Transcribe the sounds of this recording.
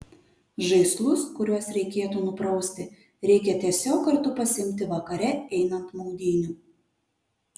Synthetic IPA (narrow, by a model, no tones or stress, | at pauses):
ʒɐɪslˠʊskʊɾʲuɔsɾʲɛɪkʲeːt̪uːnʊpɾɐʊsʲt̪ʲɪ | ɾʲɛɪkʲɛt̪ʲiɛsʲoːkkɐɾt̪ʊpɐsʲɪmʲt̪ʲɪʋɐkɐɾʲɛɛɪnɐnt̪mɔʊd̪ʲiːnʲu